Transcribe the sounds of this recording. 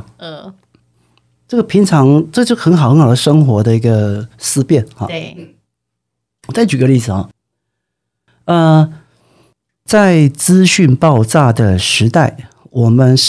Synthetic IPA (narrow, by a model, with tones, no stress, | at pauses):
ʈ͡ʂɤ˥˩ɡə˩pʰi˧˥ŋʈ͡ʂʰɑ˧˥ŋʈ͡ʂɤ˥˩ɡə˧t͡ɕjxə˧˥nxɑ˨˩xxɑ˨˩d̪ə˧ʂɤ˥ŋxwɔ˧˥d̪ə˧i˧˥ɡə˧sɹ̩˥˧pjɛ˥˩nxɑ̰˨˩˥ | ɔ˨˩t͡sa˥˩ɪt͡ɕy˨˩ɡə˦li˥˩d͡zɹ̩˨˩xɑ̰˨˩ | ə˧ | t͡sa˥˩ɪt͡sɹ̩˥ɕy˥˧npɑ˥˧ʊt͡sa˥˩d̪ə˩ʂɻ̩˧˥t̪a˥˩ɪ | wɔ˨˩mə˧˦n